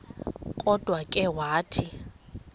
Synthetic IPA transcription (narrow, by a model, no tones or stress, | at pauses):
kʼɔd̥ʱwakʼɛwaːtʰi